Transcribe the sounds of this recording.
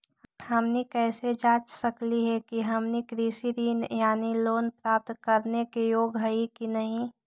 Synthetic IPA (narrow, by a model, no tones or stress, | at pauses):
hɐmnikɛːsed͡ʒaːt͡ʃsəkliɦɛkiɦəmnikɾisiɾiːnjaːniloːnpɾaːp̚t̪kəɾnekejoːɡɦəikinɐɦĩ